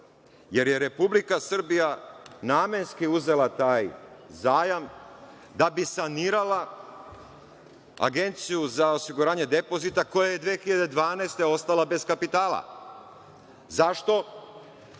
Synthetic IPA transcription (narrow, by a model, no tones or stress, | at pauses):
je̞ɾjeɾe̞publikasr̩bijanaːme̞nskiuze̞lat̪aːjzaːjam | d̪abisaniːɾala | a̰ɡe̞nt̪sijuzao̞siɡuɾaːɲe̞d̪e̞po̞zit̪ako̞jaje̞d̪ʋeːxiʎad̪e̞d̪ʋaːnaest̪e̞o̞st̪alabe̞skapit̪aːlˠa̰ | zaʃt̪o̞